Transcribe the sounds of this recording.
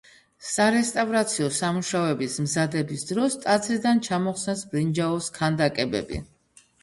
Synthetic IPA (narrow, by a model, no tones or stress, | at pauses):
saɾɛst̪ʼavɾat̪sʰiɔsamuʃaɔɛbismzad̪ɛbisd̪ɾɔst̪ʼad̪zɾid̪ant͡ʃʰamɔχsɛnsbɾind͡ʒaɔskʰand̪akʼɛbɛ̰bḭ